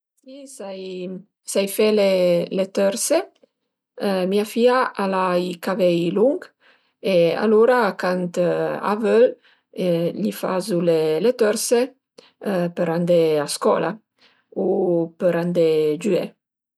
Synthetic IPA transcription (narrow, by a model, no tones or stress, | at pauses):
sisaj | sajfelelet̪øɾse | miafiaʔalajkavɛjluŋɡ | ea̰loɾakant̪a̰vøl | ʎifa̰zulelet̪øɾse | pəɾand̪easkɔ̰la | upəɾand̪ed͡ʒye